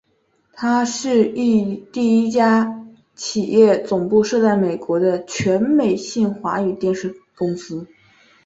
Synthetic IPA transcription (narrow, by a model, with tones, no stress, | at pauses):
t̪ʰa˥ʂɻ̩˥˧i˥˧t̪i˥˩i˥t͡ɕja˥ | t͡ɕʰi˨˩jɛ˥˩t͡sʊ˨˩ŋpu˥˧ʂɤ˥˧t͡sa˥˩ɪme˨˩ɪkwɔ˧˥d̪ə˧t͡ɕʰɥɛ˧˥nme˨˩ɪɕi˥˩ŋxwa˧˥y˨˩t̪jɛ˥˧nʂɻ̩˥˩kʊ˥ŋsɹ̩˥